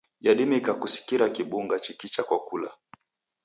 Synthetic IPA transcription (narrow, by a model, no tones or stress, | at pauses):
jaɗimikakusi̥kiɾakiɓuŋɡat͡ʃikit͡ʃakwakula̰